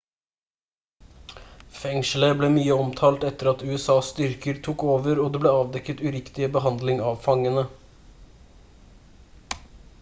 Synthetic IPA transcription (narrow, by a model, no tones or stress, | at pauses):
fɛŋʃl̩əbleːmyːəɔmt̪ʰɑːlt̪ɛt̪əɾɑt̪ʉːɛsɑːsst̪ʏɾkəɾt̪ʰuːkoːʋəɾoːd̪eːbleːɑːʋd̪ɛkːət̪ʉɾɪkt̪ɪəbəɦɑnd̪lɪŋɑʋfɑŋənə